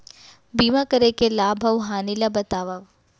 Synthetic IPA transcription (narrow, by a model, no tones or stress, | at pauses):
biːmakɐɾekelaːbʱɐʋɦaːnilabɐt̪aːʋaʋ